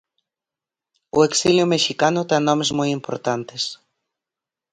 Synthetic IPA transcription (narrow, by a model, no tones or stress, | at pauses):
ṵeksiljʊmeʃikanʊt̪anːomezmujimpo̰ɾt̪ant̪es